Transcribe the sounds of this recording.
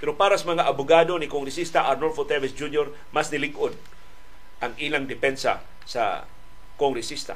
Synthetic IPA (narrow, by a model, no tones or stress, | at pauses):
pɛɾopaːɾasamaŋaʔabʊɡad̪o̞nɪkoŋɾɪsist̪aʔaɾnolfot̪ɛvɛsd͡ʒunjoɾ | masnɪlɪɡod̪̚ | ʔaŋʔilaŋd̪ɪpɛnsa̰ | sa̰ | koŋɾɪsist̪a̰